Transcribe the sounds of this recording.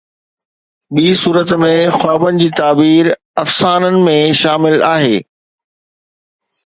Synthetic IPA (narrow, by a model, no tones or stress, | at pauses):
ɓiːsuːɾət̪mẽxwaːbənɪ̆d͡ʑiːt̪aːbiːɾ | ɐfsaːnənɪ̆mẽʃaːmɪlaːɦeː